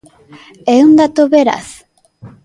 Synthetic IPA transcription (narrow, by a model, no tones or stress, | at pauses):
eund̪at̪oβeɾa̰s